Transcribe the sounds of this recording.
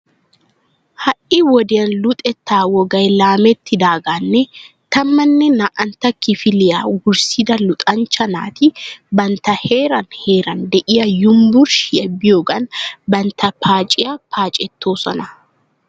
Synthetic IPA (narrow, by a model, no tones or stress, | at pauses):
hɐʔɪwɔd̪ɪjɐnlʊt̪ʼɛt̪ːaːwɔɡɐjlaːmɛt̪ːɪd̪aːɡaːnːɛ | t̪ɐmːɐnːɛnaʔɐnt̪ɐkːɪfɪlɪjaːɡʊɾsɪd̪ɐlʊt̪ʼɐnt͡ʃːɐna̰ːt̪ɪbɐnt̪ɐheːɾɐnheːɾɐnd̪ɛʔɪjɐjʊmbʊɾʃɛbːɪjoɡɐnbɐnt̪ʰɐpʰaːt͡ʃʼɪjɐpʰaːt͡ʃʼɛt̪ːoːsɔnɐ